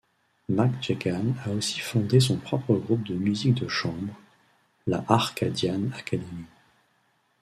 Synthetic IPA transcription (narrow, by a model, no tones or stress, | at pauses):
makt͡ʃekanaosi̥fɔ̃d̪es̬ɔ̃pχɔpχəɡʁup̚d̪əmyzik̚d̪əʃɑ̃bʁ | la̰ʔaʁkad̪janakad̪emi